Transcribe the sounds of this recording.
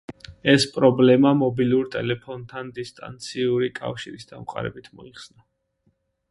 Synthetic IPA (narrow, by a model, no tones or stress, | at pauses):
ɛspʼɾɔblɛmamɔbiluɾt̪ʼɛlɛpʰɔnt̪ʰand̪ist̪ʼa̰nt̪sʰiuɾikʼa̰fʃiɾisd̪amqʼa̰ɾɛ̰bit̪ʰmɔiχsna